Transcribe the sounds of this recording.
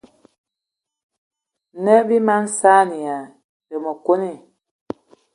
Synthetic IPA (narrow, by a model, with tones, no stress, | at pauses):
nɛ˦bi˦ma˦n˦sa˦ni˨a˨ | də˨mə˨ko˦ni˦˨